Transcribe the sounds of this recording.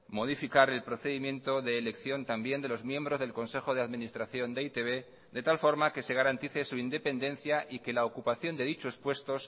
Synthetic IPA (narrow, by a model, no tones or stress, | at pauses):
mo̞ð̞ifikaɾe̞lpɾo̞θe̞ðimjẽ̞nt̪o̞ðe̞ːle̞kθjo̞nt̪ambje̞nd̪e̞lo̞zmjẽ̞mbɾo̞zðe̞lko̞nse̞xo̞ð̞e̞aðminist̪ɾaθjo̞nd̪e̞it̪e̞βe̞ | d̪e̞t̪alfo̞ɾmake̞se̞ɣ̞aɾant̪iθe̞suind̪e̞pe̞nd̪e̞nθjaʔike̞laokupaθjo̞nd̪e̞ðit͡ʃo̞spwe̞st̪o̞s